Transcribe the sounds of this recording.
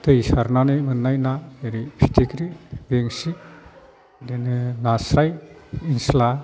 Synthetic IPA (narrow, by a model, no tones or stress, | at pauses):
t̪ɯjsaɾnanɯmɯnːajnaeɾipʰitʰikɾibeŋsi | denɯnasajinsla